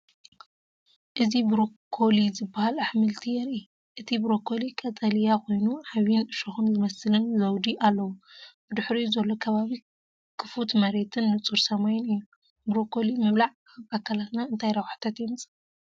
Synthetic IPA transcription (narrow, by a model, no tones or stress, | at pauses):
ʔɨzibɨɾokʰːo̞lizɨbːahalaħmɨlt̪ʰijɛɾi | ʔɨt̪ʰibɨɾokʰo̞likʼɐt̪ʼɐlijakʰo̞jnuʕaβinɨʃoxɨnzɨmɐslɨnzɐwd̪iʔalːɐwubɨd̪ɨħɾizɐlːokʰɐβaβi | kʰɨfut̪mɐɾe̞t̪ʰɨnːɨt͡sʼuɾsɐmajunɨjːu | bɾokʰo̞limɐβlaʕ | aβakʰːalat̪naɨnt̪ʰajɾɐwħḁt̪ʰat̪jɛmɨsʼ